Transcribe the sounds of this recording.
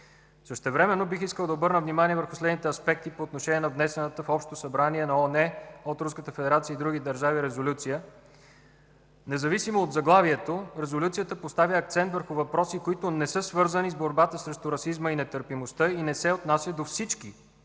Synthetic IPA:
səʃt̪ɛvɾɛmɛnːobixiskəlˠd̪ɐobɤɾnəvnimaniɛvəɾxʊslɛd̪nit̪ɛɐspɛk̚t̪ipoːt̪noʃɛniɛnɐvnɛsɛnət̪əfɔpʃt̪osɐbɾaniɛnɐɔnɛot̪ɾuskət̪əfɛd̪ɛɾat̪siəid̪ɾuɡid̪ɐɾʒaviɾɛzolʲut̪sijə | nɛzɐvisimoːd̪zɐɡlˠaviɛt̪oɾɛzolʲut̪siət̪əpost̪avʲjəːk̚t̪sɛnt̪vəɾxʊvɐpɾɔsikoit̪ʊnɛsɤsvɤɾzənizboɾbat̪əsɾɛʃt̪ʊɾɐsizməinɛt̪əɾpimost̪ɤinɛsɛot̪nasʲəd̪ofsit͡ʃki

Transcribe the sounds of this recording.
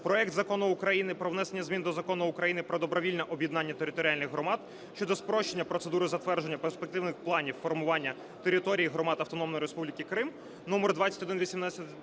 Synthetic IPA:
pɾɔɛkt̪zɐkɔnʊːkɾɐjinɪpɾɔʋnɛsenʲːɐzmʲind̪ɔzɐkɔnʊʊkɾɐjinɪpɾɔd̪ɔbɾɔʋʲilʲnɛʔɔbʲjid̪nɑnʲːɐt̪eɾɪt̪ɔɾʲɪalʲnɪɣɦɾɔmɑd̪̥ | ʃt͡ʃɔd̪ɔspɾɔʃt͡ʃe̞nʲːɐpɾɔt̪sed̪uɾʊzɐt̪ʋɛrd͡ʒenːɐperspek̚t̪ɪwnɪxplˠɑnʲiwfɔrmʊʋɑnʲːɐ | t̪eɾɪt̪ɔɾʲijiɦɾɔmɑt̪ɐwt̪ɔnɔmnɔjiɾespublʲikɪkɾɪm | numɔrd̪ʋɑt͡sʲɐtʲɔd̪ɪnʋʲisʲimnɑsʲɐt̪

